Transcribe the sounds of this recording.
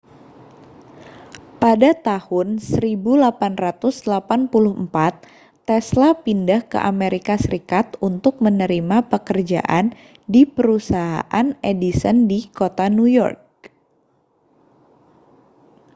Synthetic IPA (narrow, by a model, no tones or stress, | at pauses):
padat̪ahʊnsəɾibulapanrat̪ʊslapanpulʊhmpat̪ː | ɛslapindahkə̰ʔameɾikasəɾikat̪unt̪ʊk̚mənəɾimapəkərd͡ʒa̰ʔan | dipəɾusaɦa̰ʔanedisəndikot̪anujɔ̰rk̚